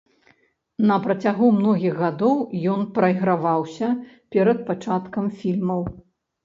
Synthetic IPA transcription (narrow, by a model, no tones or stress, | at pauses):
nɐpɾɐt͡sʲaɣumnɔɣʲiɣɣad̪ɔwjɔnpɾɐjɣɾavawsʲɐ | pʲɛɾɐt̪̚pat͡ʂat̪kɐmfʲilʲmɐw